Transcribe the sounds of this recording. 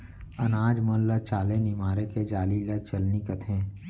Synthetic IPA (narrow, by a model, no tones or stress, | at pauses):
ɐnaːd͡ʒmənlət͡ʃaːlẽnimaːɾeked͡ʒaːlilət͡ʃəlnikət̪ʰẽː